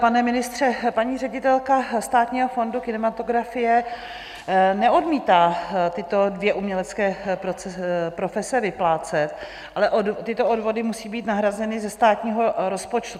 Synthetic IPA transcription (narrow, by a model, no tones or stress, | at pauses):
panɛmɪnɪst̪r̝̥ɛpaɲiːrɛɟɪt̪ɛlkast̪aːt̪ɲiːɦo̞fo̞ndukɪnɛmat̪o̞ɡɾafɪjɛ | nɛʔodmiːt̪aːt̪ɪt̪o̞dvjɛʔumɲɛlɛt͡skɛːpɾopɾo̞fɛsɛvɪplaːt͡sɛt̪ | ʔalɛʔodt̪ɪt̪o̞odvo̞dɪmusiːbiːt̪naɦɾazɛnɪzɛst̪aːt̪ɲiːɦo̞ɾo̞spot͡ʃt̪u